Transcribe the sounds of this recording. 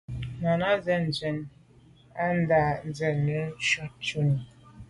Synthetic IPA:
na˨na˦zɛ˦n̩˨d͡zɛ˨n | a˦n̩˦da˨n̩˨d͡zɛ˨nːɛ˦ʃɔ˦t̚t͡ʃu˦ni˨

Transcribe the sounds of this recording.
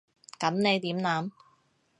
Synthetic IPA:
kɐ˨˥nne˨˧jt̪iː˨˥mnaː˨˥m

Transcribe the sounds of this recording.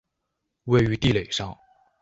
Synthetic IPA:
we˥˩ɪy˧˥t̪i˥˩le˨˩ɪʂɑ˥˧ŋ

